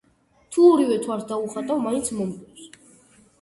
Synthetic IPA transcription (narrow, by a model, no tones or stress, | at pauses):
t̪ʰuɔɾivɛt̪ʰwaɾsd̪auχat̪ʼavmaint̪sʰmɔmpʼɛs